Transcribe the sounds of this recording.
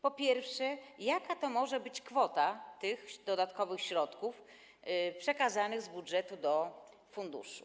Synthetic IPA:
pɔpʲjɛɾfʂɛjakat̪ɔmɔʐɛbɘt͡ɕkfɔt̪at̪ɘxd̪ɔd̪at̪kɔvɘxɕɾɔt̪kuf | pʂɛkazanɘɣzbudʐɛt̪ud̪ɔ | fund̪ṵʂṵ

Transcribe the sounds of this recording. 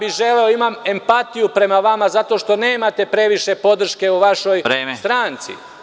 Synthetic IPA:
biʒe̞le̞o̞imame̞mpat̪ijupɾe̞maʋamazat̪o̞ʃt̪o̞ne̞ːmat̪e̞pɾe̞ʋiʃe̞po̞d̪r̩ʃke̞uʋaʃo̞jɾeːmest̪ɾaːnt̪sḭ

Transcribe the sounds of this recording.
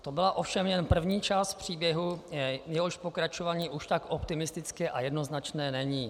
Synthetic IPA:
t̪o̞bɪlaʔo̞fʃɛmjɛnpr̩vɲiːt͡ʃast̪fpr̝̥iːbjɛɦujɛɦoʃpo̞kɾat͡ʃovaːɲiːʔuʃt̪ako̞pt̪ɪmɪst̪ɪt͡skɛʔajɛdno̞znat͡ʃnɛːnɛɲiː

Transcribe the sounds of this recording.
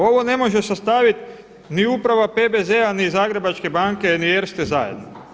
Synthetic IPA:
o̞ʋo̞ne̞mo̞ʒesast̪aʋit̪ | niupɾaʋapebezeanizaːɡɾe̞bat͡ʃke̞baŋke̞nijeɾst̪ezajed̪no

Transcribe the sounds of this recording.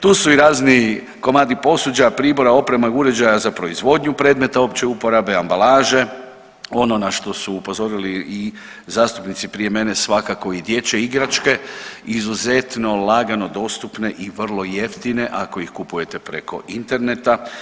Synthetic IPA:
t̪uːsuiɾaːzni | ko̞maːd̪ipo̞sud͡ʑajapɾiːbo̞ɾao̞pɾemauɾe̞d͡ʑajazapɾo̞izʋo̞d̪ɲupɾed̪me̞t̪ao̞pt͡ɕeupoɾabeambalaːʒe̞ | o̞no̞naʃt̪o̞suːpo̞zo̞ɾilii | zaːst̪upnit̪sipɾije̞me̞ne̞sʋakako̞id̪je̞t͡ɕe̞iɡɾat͡ʃke̞izuze̞t̪no̞laɡano̞d̪o̞st̪upne̞ʔiʋr̩lˠo̞je̞ft̪ine̞ʔako̞ixkupuje̞t̪e̞pɾe̞̰kʰo̞̰ʔint̪e̞ɾne̞t̪a

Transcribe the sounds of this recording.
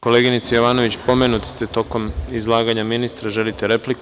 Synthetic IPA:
ko̞le̞ːɡinit̪sajoʋaːno̞ʋit͡ɕpo̞me̞nut̪i̥st̪et̪o̞ko̞mizlˠaːɡaɲaminist̪ɾaʒe̞lit̪eɾe̞plik

